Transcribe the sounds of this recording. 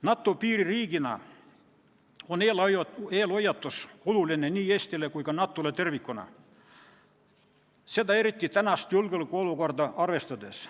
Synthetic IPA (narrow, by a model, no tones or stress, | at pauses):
nɑt̪ːopiːririːɡinɑ̰ | oneːlɑjoeːlojɑt̪ːoskululinenʲiːest̪ilekuikɑnɑt̪ːolet̪erʋikːonɑ̰ | set̪æerit̪ʲːit̪ænɑst̪julɡylkoulukort̪ɑɑrʋest̪ɑd̪es